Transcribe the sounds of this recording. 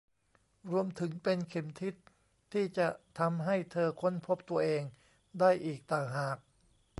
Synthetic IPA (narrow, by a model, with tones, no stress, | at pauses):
ɾu˧əmt̪ʰɯ˩˦ŋpe˧nkʰe˨˩mt̪ʰi˦˥t̪ʰː | iː˥˩t͡ɕa˨˩ʔt̪ʰa˧mɦa˥˩jt̪ʰɤː˧kʰo˧˥˨npʰo˦˥p̚t̪u˧ɐʔeː˧ŋ | daː˥˩jʔiː˨˩k̚t̪aː˨˩ŋɦaː˨˩k̚